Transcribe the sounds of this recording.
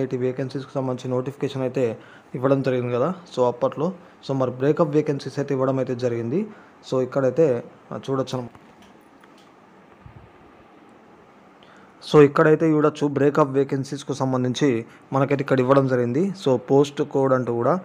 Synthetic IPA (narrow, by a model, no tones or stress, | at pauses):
ɐjʈiʋeːkensisku̥sɐmbɐnit͡ʃinoːʈipʰi̥keːʂɐnɐjt̪e̞ː | iʋːɐɽɐmd͡ʒɐɾiɡind̪ikɐd̪aːso̞ːɐpːɐʈlo̞ː | soːmɐɾubɾeːkɐpʋeːkensisɐjt̪eiʋːɐɽɐmɐjt̪e̞ːd͡ʒɐɾiɡind̪i | soːikːɐɽɐjt̪e̞ː | t͡ʃuːɽɐt͡ʃːɐnɐ | so̞ːikːɐɽɐjit̪e̞ːiʋiɽɐt͡ʃːubɾeːkɐpʋeːkensiskusɐmbɐnd̪iɲt͡ʃi | mɐnɐkɐjt̪eikːɐɽɐiʋːɐɽɐmd͡ʒɐɾiɡind̪iso̞ːpo̞ːsʈkoːʋɐɽɐɳʈuːkuːɽaː